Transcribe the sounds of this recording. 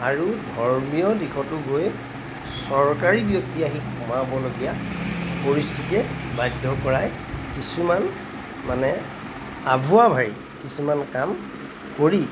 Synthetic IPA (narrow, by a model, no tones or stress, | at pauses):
aɹudʱɔɹmijɔdixʰɔtʊɡoj | sɔɹkaɹibjɔk̚tiaɦikʰɔmabɔloɡijapoɹistʰitiɛbajdʱːɔkɔɹaj | kisuman | manɛ | abʱuabʱaɹḭ | kisumankam | koɹi